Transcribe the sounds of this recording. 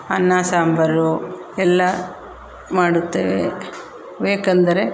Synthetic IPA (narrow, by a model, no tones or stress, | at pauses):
ɐnːaːsaːmbʱɐɾuɛlːɐ | maːɽut̪ːḛːʋḛ | beːkɐnd̪ɐɾe̞